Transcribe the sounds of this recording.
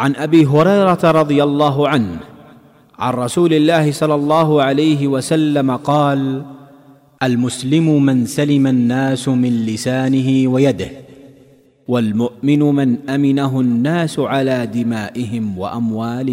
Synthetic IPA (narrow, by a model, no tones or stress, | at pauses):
ʕanʔabiːɦʊɾɑjɾˤɑt̪aɾˤɑd̪ˤɨjalˤːɑːɦʊʕanhh | ʕa̰nɾˤɑsuːlɪlːaːhɪsˤɑlːɑlˤːɑːɦʊʕalajɦɪwasalːamaqɑːl | ʔalmʊslɪmʊmɪnsalɪmanːaːsʊmɪnlɪsaːnɪɦɪwajad̪ɪh | walmʊʔmɪnʊmanʔamɪnaɦʊnːaːsʊʕalaːd̪ɪmaːʔɪhɪmwa̰ʔamwaːlɪ